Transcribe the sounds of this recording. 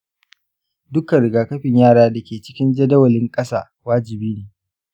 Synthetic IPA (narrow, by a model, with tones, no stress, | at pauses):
dʊ˦kɐ˨ɽɪ˨ɡaː˨kɐ˦ɸɪ˨ɲjaː˦ɽaː˦da˨kʲeː˨t͡ʃɪ˦kʲɪ˦nd͡ʒɐ˦dɐ˦wɐ˨lɪ˦ŋkʼɐ˦saː˦˨ | waː˦d͡ʒɪ˨biː˦neː˨